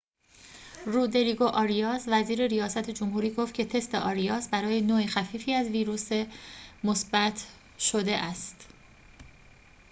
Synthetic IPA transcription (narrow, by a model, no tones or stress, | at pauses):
ruːd̪e̞ɾiɡoʔɒːɾijɒːzvæziːɾe̞ɾijɒːsæt̪ʰed͡ʒomhuːɾiːɡo̞ft̪cʰe̞t̪ʰe̞st̪eʔɒːɾijɒːsbæɾɒːjenoːexæfiːfiːæzviːɾuːsemo̞sbæt̪ʰ | ʃod̪e̞ʔæst̪